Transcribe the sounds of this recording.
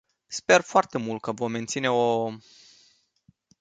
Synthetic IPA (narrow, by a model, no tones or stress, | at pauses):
spe̞rfoart̪e̞mult̪̚kəvo̞mːe̞nt̪sine̞o